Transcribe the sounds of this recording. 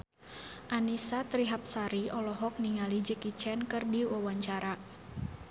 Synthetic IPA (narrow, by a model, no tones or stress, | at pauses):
ʔanisat̪ɾiɦap̚saɾiɔlɔɦɔk̚niŋalid͡ʒəkit͡ʃɛnkɨrdiwawaɲt͡ʃaɾa